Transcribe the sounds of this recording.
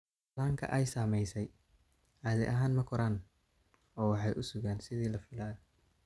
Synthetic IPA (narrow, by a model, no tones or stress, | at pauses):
laːŋkʰɐ̰ʔɛjsaːmɛjsɛj | ʕaːðɛ̰ʔɐɦaːnmɐkʰɔɾaːn | ɔːwɑħɑjʔʊsʊɣaːnsɪðiːlɐfɪlaːð